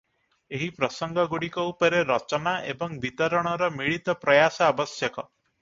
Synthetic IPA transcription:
eɦipɾɔsɔŋɡɔɡuɽikɔupɔɾeɾɔt͡ʃɔnaʔḛbɔŋbit̪ɔɾɔɽ̃ɔɾɔmiɭit̪ɔpɾɔjasɔabɔsjɔkɔ

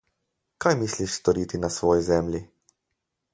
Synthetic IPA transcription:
kajmisliʃst̪ɔɾiːt̪inasʋɔːjizɛmlʲi

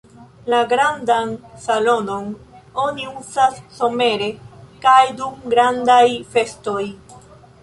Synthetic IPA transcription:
laɡɾandansalo̞no̞no̞niuzasːo̞me̞ɾe̞kajdumɡɾandajfe̞sto̞j

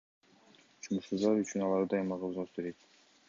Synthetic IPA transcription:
t͡ʃʰumuʃsuzd̪ɑɾyt͡ʃynɑlˠɑɾd̪ɑjmɑʁɑuzɑsbeɾet̪

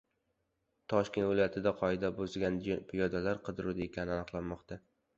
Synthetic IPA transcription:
t̪ʰɒʃkʲe̞nt̪vɪlɒjat̪ʰɪd̪aqʰɒɪd̪abozɡʲanpʰɪjɒd̪alaɾqʰɨd̪ɪɾud̪aekʲʰanɪanɨqlˠanmɒqt̪ʰa

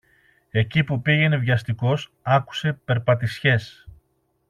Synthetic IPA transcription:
e̞cipupiʝe̞ne̞vʝɐst̪iko̞s | ɐku̥se̞pe̞ɾpɐt̪isçe̞s

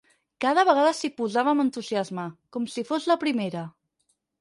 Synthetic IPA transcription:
kaðəβ̞əɣaðəsipuzaβəmənt̪uziazməkɔmsifozləpɾimeɾə

